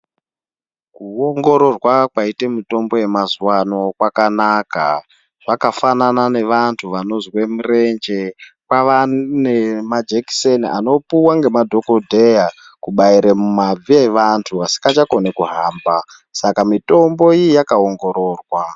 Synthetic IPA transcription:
kuoŋɡo̞ɾo̞rwakwaitemito̞mbo̞je̞mazuwano̞kwakanaka | ʐ̥akafananane̞ʋantʰuʋano̞zwe̞mure̞nd͡ʒe̞ | pwaʋanemad͡ʒeki̥senia̰no̞puwaŋɡe̞madʱo̞kodʱeja | kuɓaiɾemumab͡vieʋantʰuasi̥ŋɡat͡ʃako̞nekuɦaːmba | sakamito̞mbo̞ijjakaoŋɡoɾo̞ːrwa

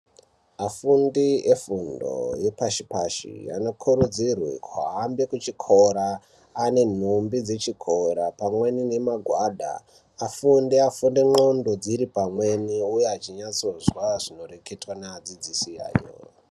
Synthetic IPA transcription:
afundie̞fundo̰jepaʃipaʃḭa̰no̞kʰuɾud͡zirwḛkʰwa̰ɦambe̞kut͡ʃikʰo̞ɾaː | ne̞n̤umbid͡ze̞t͡ʃikʰo̞ɾapamwenine̞maɡʱwaːɗa̰ː | fundiafundeŋ͡ǃo̞ndo̞d͡ziɾipamwe̞niujeɦat͡ʃiɲat͡so̞zwaʐino̞re̞ke̞twanaad͡zid͡zisia̰ːjo̰

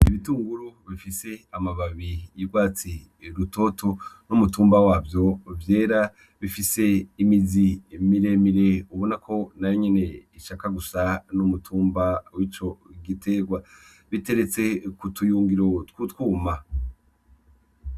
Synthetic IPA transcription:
iβituːŋɡuɾuβifise̞amaβaβijiɾɡwaːt͡si | ɾuto̞tʰo̞numutuːmbawaːvjo̞vje̞ːɾa | βifise̞imizimiɾe̞miɾe̞uβonakʰo̞najoɲene̞iʃakaɡusanumutʰuːmbawit͡ʃo̞ɡitʰe̞ɡwa | βite̞ɾe̞t͡se̞kutujuːŋɡiɾo̞tkutkuːma

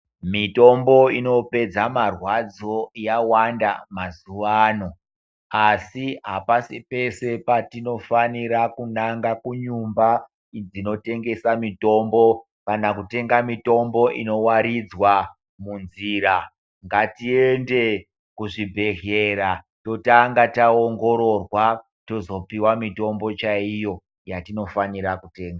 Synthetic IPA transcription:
mito̞mbo̞ino̞pe̞d͡zamarwad͡zo̞jawanda̰mazuʋaːno̞ | asiɦapasipe̞se̞patino̞faniɾakunaŋɡakuɲumba | d͡zino̞te̞ŋɡe̞samito̞mbo̞ | kanakute̞ŋɡamito̞mbo̞ʔḭno̞waɾid͡zwa | munziɾa | ŋɡatie̞nde̞ | kuʐibʱe̞ɦeɾa | to̞taŋɡataoŋɡo̞ɾo̞rwa | to̞zo̞piwamito̞mbo̞t͡ʃaijo̞ | jatino̞faniɾakute̞ːŋɡa

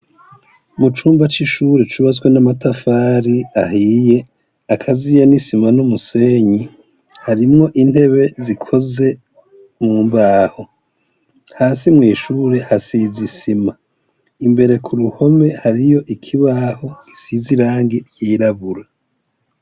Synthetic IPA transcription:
mut͡ʃuːmbat͡ʃiʃuɾet͡ʃuβazwenamatafaːɾiaɦiːje̞ | akʰazijanisimanumuse̞ːɲi | haɾimŋo̞ʔin̥he̞βe̞zikʰo̞ze̞ | muːmbaːho̞ | haːsimŋiːʃuːɾe̞hasizisima | imbe̞ɾe̞kʰuɾuho̞me̞haɾijo̞ʔikʰiβaho̞ki̥siziɾaːŋɡiɾjiːɾaβuɾa

